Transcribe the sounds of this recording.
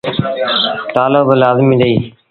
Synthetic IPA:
t̪aːloːbəlaːzmiːɗ̪əiː

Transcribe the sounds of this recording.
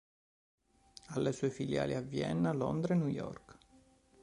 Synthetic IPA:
alːesuːefilja̰ːliavːjɛ̰nːlɔ̰nd̪ɾenujɔ̰rk

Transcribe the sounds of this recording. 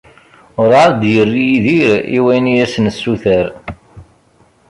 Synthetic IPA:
ʊɾaɾd̪jərːijiðiɾḭwænijæsnəsːuθəɾ

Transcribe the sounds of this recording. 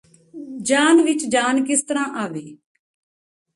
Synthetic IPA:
d͡ʒaːnʋɪt͡ʃd͡ʒaːnkɪst̪əɾãːʔaːʋeː

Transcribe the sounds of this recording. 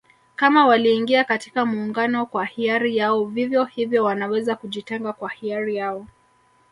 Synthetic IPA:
kamawaliːŋɡiakati̥kamuːŋɡanɔkwahiaɾijaɔvivjɔhivjɔwanawɛzakuʄitɛŋɡakwahiaɾijaɔ

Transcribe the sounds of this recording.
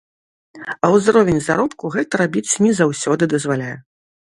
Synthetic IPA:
ɐwzrɔvʲɛnʲzaɾɔpkuɣɛt̪ɐɾabʲit͡s̪ʲnʲɛzawsʲɔd̪ɨd̪ɐzvalʲajɛ

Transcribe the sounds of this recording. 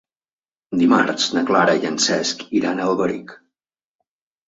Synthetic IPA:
d̪ima̰ɾt̪t͡snaklaːɾajɛnsɛskiɾanɛlɡɔɾik

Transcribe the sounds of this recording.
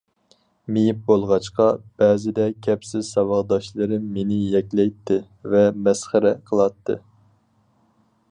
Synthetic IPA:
mejip̚bolˠʁɑt͡ʃqɑb̥ɛːzɪd̪ɛkʲʰɛpsɪzsɑvɑʁd̪ɑʃlˠɨɾɨmːenɪjɛkʲlɛjt̪ʰːɪ | vɛmɛsχəɾɛqʰəlˠɑt̪ʰːɨ̰

